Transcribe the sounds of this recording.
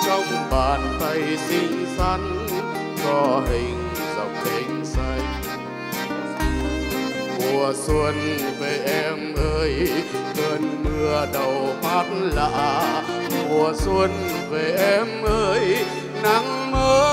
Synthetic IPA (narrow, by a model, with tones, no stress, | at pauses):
t͡ɕɔ˧wŋ͡mɓaː˨˩nt̪ʰa˧˩jsi˧ŋ̟sa˧˦ŋ | zɔ˧˩ɦï˨˩ŋ̟ | zə̰˨˩wk͡p̚ʔi˧˦ŋ̟sa˧˩jŋ | mu˨˩əswə˧nve˨˩ʔɛ˧mʔəː˧jhəː˧nmɨ˧əɗə˨˩wma˦˥t̚nla̰ː˧˨ | mu˨˩əswə˧n | ve˨˩ʔɛ˧˥mʔəː˧j | na˧˦ŋ | məː˧˦